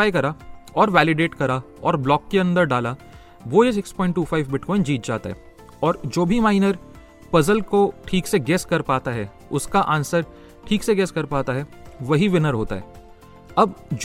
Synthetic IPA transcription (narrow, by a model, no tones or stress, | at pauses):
aːjkɐɾaɔːɾʋɛːlɪɖeːʈkɐɾa | ɔːɾblɔːkːeɐ̃nd̪əɾɖaːla | ʋoes̬ɪkspɔ̃ːɪ̃ɳʈːuːfʰaːɪʋbɪʈkɔːɪnd͡ʒiːt̪̚d͡ʒaːt̪a̰ɦɛ̰ | ɔːɾd͡ʒoːbʱimaːɪnəɾ | pɐzəlkoʈʰiːkseɡɛːskɐɾpaːt̪aɦɛ | ʊskaʔãːnsəɾ | ʈʰiːkseɡɛːskɐɾpaːt̪aɦɛʋɐɦiʋɪnəɾɦoːt̪a̰ɦɛ̰ː | ɐbd͡ʒ